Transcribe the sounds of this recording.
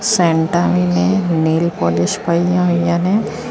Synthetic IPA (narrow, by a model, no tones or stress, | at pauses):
sɛ̃ːɳʈaʋineneːlpɔlɪʃpaijãɦʊ̃jjane